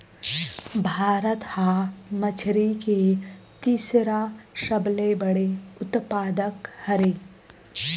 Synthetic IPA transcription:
bʱaːɾət̪hamət͡ʃʰɾike | t̪iːsɾaʃɐblebəɽeʊt̪paːd̪əkhɐɾeː

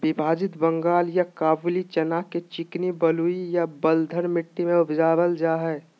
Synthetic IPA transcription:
bɪbʱaːd͡ʒɪt̪bə̃ŋɡaːljakaːblit͡ʃɐnaːket͡ʃɪknibɐluijabɐld̪ʱəɾmɪʈːimẽʊbd͡ʒaːʋəld͡ʒaːɦɛː

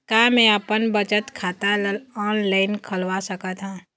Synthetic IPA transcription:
kaːmɛ̃əpənbət͡ʃət̪kʰaːt̪aɔːnlaːɪnkʰəlʋasəkət̪ʰãː

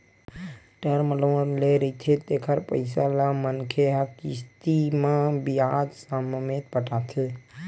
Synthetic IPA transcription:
ʈəɾməlonleɾəit̪ʰet̪ekʰəɾpə̰ɪsalamənkʰeɦəkist̪imãbiad̪sammet̪pəʈat̪ʰe

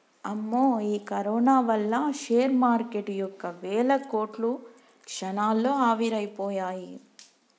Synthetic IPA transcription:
ɐmːoːiːkɐɾɔːnaːʋɐlːɐʃeːɾmaːɾkeʈjɔkːɐʋɛːɭɐko̞ːʈlu | kʂɐnaːlːo̞ːaːʋiɾɐjpoːjaːji

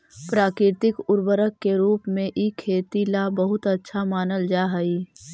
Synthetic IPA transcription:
pɾaːkɾɪɾt̪ɪkʊɾbəɾəkːeɾuːpmẽʔikʰːeːt̪ilabəɦʊt̪ətːʃʰamaːnəld͡ʒaːɦəi

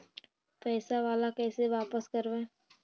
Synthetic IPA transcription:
pɛːsaʋaːlakɛːseʋaːpəskəɾʋẽː

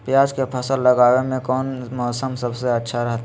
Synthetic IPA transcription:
pjaːd͡ʒkepʰəsəlːəɡaːwemẽkɔːnmɔːsəmsəbseɐtːʃʰaɾɐɦt̪

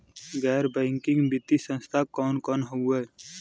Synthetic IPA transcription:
ɡɛːɾbɛ̃ːŋkɪ̃ŋɡbɪt̪isə̃nst̪ʰakɔːnkɔːnɦoɛː

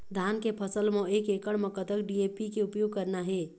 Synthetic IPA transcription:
d̪ʱankepʰəsəlmõekekəɽməkət̪əkɖiepikeupjoɡ̚kəɾnaɦe

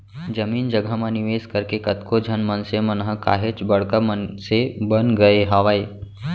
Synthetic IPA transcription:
d͡ʒɐmiːnd͡ʒəɡəmãnɪʋeːskəɾkekɐt̪kod͡ʒʱənmɐnsemɐnɦəka̰ːɦet͡ʃbɐɽkəmənsebənɡɐeɦɐʋaːeː

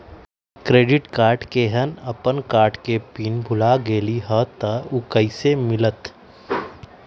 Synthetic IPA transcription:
kɾeːɖɪʈkaːɾʈkeɦənəpənkaːɾʈkepiːnbʱʊlaɡeːliɦət̪əʊkəisemɪlət̪

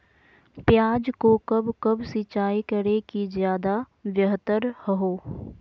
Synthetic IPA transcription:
pjaːd͡ʒkokɐbkɐbsɪt͡ʃaːikəɾekizjaːd̪a | ʋjəɦt̪əɾhəɦoː

